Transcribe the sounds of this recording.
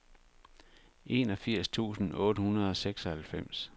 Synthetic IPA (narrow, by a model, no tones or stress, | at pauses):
e̝̰nɒ̽fiɐ̰st͡sʰṵːsn̩ɔ̽ːɾəhunɐð̞ˠɒ̽seɡ̥sɒ̽hælfem̰s